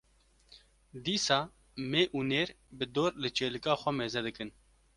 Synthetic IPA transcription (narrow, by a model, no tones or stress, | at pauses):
d̪iːsaː | meːʔuːneːɾ | bɨd̪oːɾlɨt͡ʃeːlɨkaːxʷɛmeːzɛd̪ɨkɨn